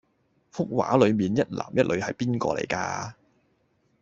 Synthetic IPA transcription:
fʊ˥k̚wa̰ː˨˥lɵ˨˧ɥmiː˨˩njɐ˥t̚la̰ː˨˩mjɐ˥t̚lɵ˨˧ɥhɐ˨jpiː˥nkɔ̰ː˧lḛ˨˩jka̰ː˧

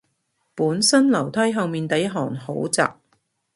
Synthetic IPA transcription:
puː˨˥nsɐ˥nlɐ˨˩wt̪ʰɐ˥jɦɐ˨˧wmiː˨nt̪ɐ˨˥jɦɔː˨˩ŋho˨˥wt͡sa̰ː˨k̚

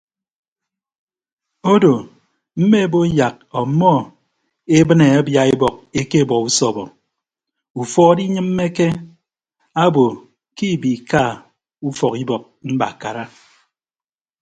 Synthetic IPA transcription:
o˦do˨ | m̩˦me˦˨bo˦ja˨k̚ɔ˨mːɔ˦ | e˦bɨ˦ne˨a˦bja˨e˦bɔ˨k̚e˦ke˦˨bɔ˨ku˦sɔ˨bɔ˨ | u˨fɔ˦di˦ɲɨ˦m̩ː˦e˦ke˦ | a˦bo˨ | ki˦˨bi˨ka˦˨ | u˦fɔ˨ki˦bɔ˨k̚m̩˦ba̰˨ka˨ɾa˦

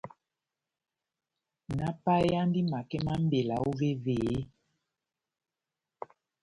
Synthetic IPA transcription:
na˦pa˦ja˦ndi˦ma˨kɛ˦ma˦m̩˦be˨la˨o˦ve˦ve˨˦

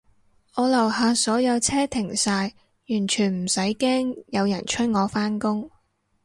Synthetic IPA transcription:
ŋɔː˨˧lɐ˨˩whaː˨˧sɔː˨˥jɐ˨˧wt͡sʰɛː˥t̪ʰɪ˨˩ŋsaː˧j | jyː˨˩nt͡ʃʰyː˨˩nm̩˨˩sɐ˨˥jkɛː˥ŋjɐ˨˧wjɐ˨˩nt͡ʃʰɵ˥t̚ŋɔː˨˧faː˥nkʊ˥ŋ

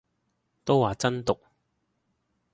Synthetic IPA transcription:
t̪o˥wwaː˨t͡sɐ˥nt̪ʊ˨k̚

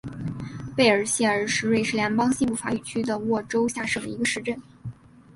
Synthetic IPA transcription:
pe˥˩ɪə˞˨˩ɕjɛ˥˩ə˞˧˥ʂɻ̩˧˥we˥˧ɪʂɻ̩˥˩ljɛ˧˥ŋpɑ˥ŋɕi˥˧npu˥˩fa̰˧˥y˨˩t͡ɕʰy˥d̪ə˨wɔ˥˩ʈ͡ʂo˥ʊɕja˥˧ʂɤ˥˩d̪ə˩i˧˥ɡə˧ʂɻ̩˥˧ʈ͡ʂə˥˩n

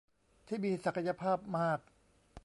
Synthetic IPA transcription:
t̪ʰiː˥˩miː˧sa˨˩kʰa˧ja˧pʰaː˥˩p̚maː˥˩k̚

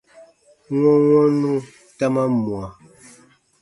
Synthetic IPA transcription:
ŋɔ˦ŋɔ˦nũ˦ | ta˦ma˦mu˨a˨

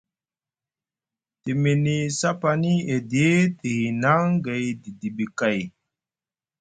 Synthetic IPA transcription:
ti˨mi˨ni˨sa˦pa˨ni˦e˨di˨e˦ti˨hi˨na˦ŋɡe˨jdi˨di˨ɓi˨ka˨j

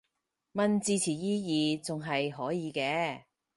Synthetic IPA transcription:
mɐ˧nt͡siː˧t͡sʰiː˨˩jiː˥jiː˨˧t͡sʊ˨ŋɦɐ˨jɦɔː˨˥jiː˨˧kɛː˧

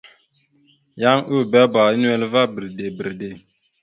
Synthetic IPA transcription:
ja˦ŋu˦˨bɛ˦ba˨˦n˦ɛ˦lva˦bə˨ɾde˨bə˨ɾde˨

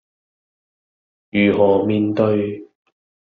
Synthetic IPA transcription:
jyː˨˩ɦɔː˨˩miː˨nt̪ɵ˧ɥ

